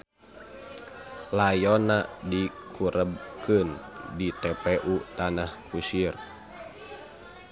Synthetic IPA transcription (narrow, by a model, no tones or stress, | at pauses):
lajɔnadikʰuɾʔəb̚kɨndit̪ɛpɛʔut̪anahkusir